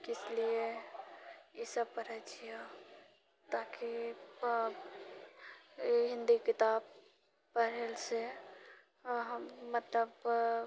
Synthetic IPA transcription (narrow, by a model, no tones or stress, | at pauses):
kɪslie | ɪsəbpəɾɛd͡ʒijo | t̪aːki | ɦɪ̃nd̪ikɪt̪aːb | pəɾelse | mət̪ləb